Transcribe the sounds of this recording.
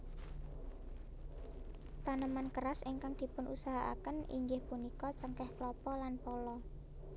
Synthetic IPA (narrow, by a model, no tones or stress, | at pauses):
t̪anəmankəɾasiŋkaŋd̪̥i̤pʊnʔusaɦaʔa̰kənḭŋɡɪhpunikɔt͡ʃəŋkɛhklɔpɔlanpɔlɔ